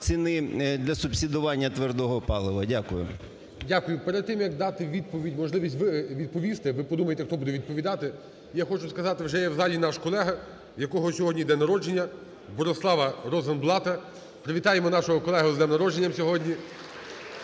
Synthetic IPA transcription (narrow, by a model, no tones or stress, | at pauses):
t͡sʲinɪd̪lʲɐsʊpsʲid̪ʊʋɑnʲːɐt̪ʋerd̪ɔɦɔpɑlˠɪʋɐdʲakʊjʊ̰ | dʲakʊjʊpɛɾɛd̪̚t̪ːɪmjɐkd̪ɑt̪ɪʋʲid̪̚pɔʋʲidʲmɔʒlˠɪʋʲisʲtʲʋɪʋʲid̪̚pɔʋʲist̪ɪʋɪpɔd̪umɐjet̪ɛxt̪ɔbud̪ɛʋʲid̪̚pɔʋʲid̪ɑt̪ɪ | jaxɔt͡ʃʊskɐzɑt̪ɪwʒɛjɛwzɑlʲinɑʃkɔlˠɛɦɐ | jɐkɔɦɔsʲɔɦɔdʲnʲijd̪ɛnɐɾɔd͡ʒenʲːɐ | bɔɾɔslˠɑʋɐɾɔzɐnblˠɑt̪ɐ | pɾeʋʲit̪ɑjemɔnɑʃʊɦʊkɔlˠɛɦʊzd̪ɛnɐɾɔd͡ʒenʲːɐmsʲɔɦɔdʲnʲi